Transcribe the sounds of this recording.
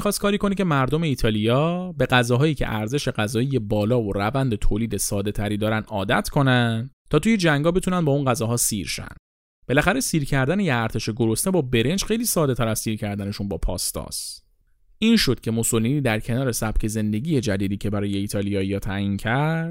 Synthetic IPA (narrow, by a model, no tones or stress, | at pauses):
ixɒst̪kɒːɾiːko̞nicʰe̞mæɾd̪o̞me̞iːt̪ʰɒːlijɒːbe̞ɣæzɒːɦɒːjiːcʰe̞̰ʔæɾze̞ʃe̞ɢæzɒːije̞bɒːlɒːvoɾævænd̪e̞t̪ʰoːliːd̪e̞sɒːd̪e̞t̪ʰæɾiːd̪ɒːɾænd̪ɒːd̪æ̰t̪ʰkʰo̞nænt̪ʰɒːt̪uːje̞d͡ʒæŋɡɒːbet̪unændbɒːunɢæzɒːɦɒːsḭɾʃæ̰nd̪̥ | b̥e̞læxæɾe̞siːɾcʰæɾd̪ænejeæɾt̪ʰe̞ʃe̞ɡo̞ɾo̞st̪ebɒːbe̞ɾe̞nd͡ʒxe̞jliːsɒːd̪e̞t̪ʰæɾæz̥siːɾcʰæɾd̪æne̞ʃunbɒːpʰɒ̰ːst̪ɒ̰ːs | ʔiːnʃo̞d̪̥̚cʰe̞moso̞liniːd̪æɾcʰe̞nɒːɾe̞sæbcʰe̞ze̞nd̪e̞ɟiːje̞d͡ʒæd̪iːd̪iːcʰe̞bæɾɒːje̞iːt̪ʰɒːlijɒːijɒːt̪ʰæʔiːncʰæɾd̪̥